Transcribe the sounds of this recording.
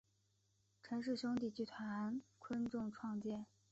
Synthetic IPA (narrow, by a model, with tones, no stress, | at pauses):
ʈ͡ʂʰə˧˥nʂ̬ɻ̩˥˩ɕʊ˥ŋt̪i˥˩t͡ɕy˥˩t̪ʰwa˧˥˧nkʰwə˥nʈ͡ʂʊ˥˧ŋʈ͡ʂʰwɑ˥˧ŋt͡ɕjɛ˥˩n